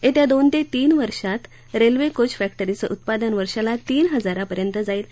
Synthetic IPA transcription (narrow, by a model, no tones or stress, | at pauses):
et̪jad̪ont̪et̪iːnʋəɾʂat̪ | ɾelʋekot͡ɕfæk̚ʈəɾit͡səʔut̪̚pad̪ənʋəɾʂalat̪iːnɦəd͡zaɾapəɾjənt̪əd͡zaiːl